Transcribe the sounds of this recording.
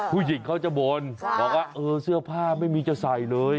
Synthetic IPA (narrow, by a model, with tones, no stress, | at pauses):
pʰuː˥˩ji˨˩˦ŋkʰa˦˥˩wt͡ɕa˨˩bo˧nbɔː˨˩k̚waː˥˩ʔɤː˧sɯ˥˩ɐpʰaː˥˩ma˥˩jmiː˧t͡ɕa˥˩wsa˨˩jlɤː˧j